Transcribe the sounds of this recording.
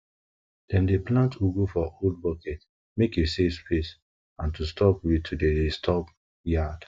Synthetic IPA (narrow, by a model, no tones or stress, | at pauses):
d̥ɛ̃ndeplãntuɡofɔʔold̚bɔkɛt | mekesespes | ãntustʰɔpwitʰudedestʰɔp | jad̥